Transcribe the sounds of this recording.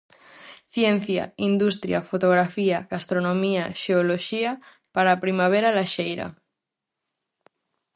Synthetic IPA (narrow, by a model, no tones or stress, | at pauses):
θjen̟θja̰ind̪ust̪ɾja̰fot̪oɣ̞ɾafiaɣast̪ɾonomiaʃeoloʃia | paɾapɾimaβ̞eɾalaʃejɾa̰